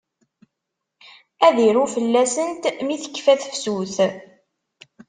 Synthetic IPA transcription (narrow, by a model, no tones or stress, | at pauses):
æðiɾufəlːæsənt̪miθə̥kːfæθə̥fsuθ